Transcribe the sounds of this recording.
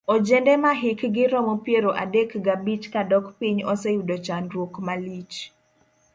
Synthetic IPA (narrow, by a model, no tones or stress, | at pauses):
ɔd͡ʒendɛmaɦɪkɡɪɾɔmopjeɾoʔadekɡabit͡ʃkadɔkpiɲɔsɛjudot͡ʃanɾwokmalit͡ʃ